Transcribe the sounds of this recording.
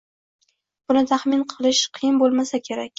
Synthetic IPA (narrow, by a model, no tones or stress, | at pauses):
b̥ʊnɪt̪ʰaχmɪnqʰɨlˠɪʃqʰɨjɪnbolˠmasakʲʰe̞ɾakʲ